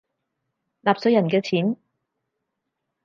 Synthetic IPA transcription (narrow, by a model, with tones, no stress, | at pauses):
laː˨p̚sɵ˨˧˥jɐ˨˩nkɛː˧t͡sʰiː˨˥n